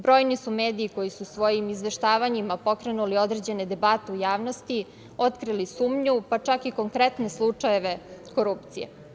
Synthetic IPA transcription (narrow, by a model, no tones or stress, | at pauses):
bɾo̞jnisumeːd̪iːko̞jisusʋo̞jimizʋe̞ʃt̪aːʋaɲimapo̞kɾenulio̞d̪ɾe̞d͡ʑe̞ne̞d̪e̞bat̪eujaːʋno̞st̪i | o̞t̪kɾilisuːmɲupat͡ʂakiko̞ŋkɾe̞t̪ne̞slˠut͡ʂaje̞ʋe̞ko̞ɾupt̪sijḛ